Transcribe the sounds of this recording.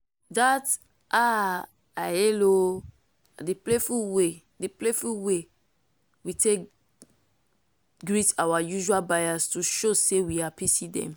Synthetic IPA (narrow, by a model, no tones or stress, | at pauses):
dat | ʔa | aɛlo | diplefuwe | diplefuwe | witʰek | ɡɹitawajuʒualbajastuʃosewiapitidɛ̰̃m